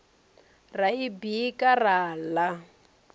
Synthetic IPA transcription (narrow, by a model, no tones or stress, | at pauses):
raibiːkaraːla